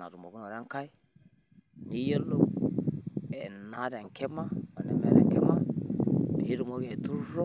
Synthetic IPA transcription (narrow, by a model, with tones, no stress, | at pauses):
na̰˨ɾu˨mo˨ku˦no˨ɾa˦ŋ˦ka˦j | ni˦jo˦lo˦ | ɛ˨na˨˦ɾɛ˨ŋ˨kɛ˦ma˦ma˨nɛ̰˨mɛ̰˦ɾɛ̰˨ŋkɛ˦ma˦ | di˨˦ɾu˨mo˦ɡe˨tu˦ɾɔ˦